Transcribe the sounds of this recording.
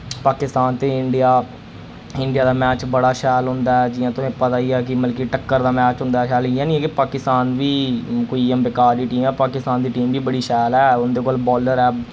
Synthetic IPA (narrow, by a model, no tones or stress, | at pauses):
paːkɪst̪aːnt̪ẽːɪɳɖɪjaː | ɪɳɖɪjaːd̪aːmɛːt͡ʃbəɽaːʃɛːlɦʊ̃nd̪aːɛːd͡ʒɪãːt̪ʊsẽːpət̪aːiaːk̬ɪməlk̬iʈəkːəɾd̪aːmɛːt͡ʃɦʊ̃nd̪aːʃɛːlɪjãːnĩɛ̃ːkɪpaːkɪst̪aːnʋiːkoːiːəmbɪkaːɾdiːʈiːmɛːpaːkɪst̪aːnd̪iːʈiːmbiːbəɽiːʃɛːlɛːʊnd̪eːkoːlbɔːləɾɛː